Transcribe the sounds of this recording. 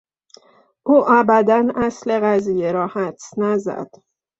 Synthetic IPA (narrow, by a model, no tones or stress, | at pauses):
ʔuːʔæbæd̪ænæsle̞ɣæzijeɾɒːhæt̪snæzæ̰d̪̥